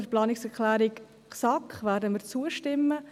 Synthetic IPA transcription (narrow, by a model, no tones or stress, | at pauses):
əɾplɑːnɪksɛɾklæːɾɪk | ksɑkχʋæːɾdəmiːɾt͡suəʃtɪmːə